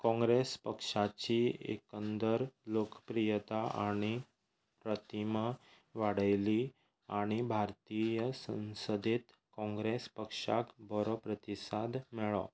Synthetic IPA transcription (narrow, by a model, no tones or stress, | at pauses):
kɔ̃ŋɡɾespəkʂat͡ɕiḛkənd̪əɾlokəpɾijət̪aʔaɽ̃i | pɾət̪imə | ʋaɽ̤əjli | aɽ̃ibʱaɾt̪ijəsə̰̃ñsəd̪et̪ | kɔ̃ŋɡɾespəkʂa̰kbəɾopɾət̪isad̪mɛɭɔ̰